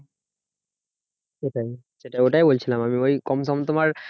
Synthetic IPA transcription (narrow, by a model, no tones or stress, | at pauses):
eʈaj | seʈaoʈajbolt͡ɕʰilamamiojkɔmsɔmt̪omaɾ